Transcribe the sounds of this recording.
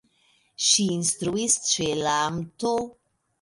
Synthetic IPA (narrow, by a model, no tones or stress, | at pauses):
ʃiːnst̪ɾuist͡ʃelamto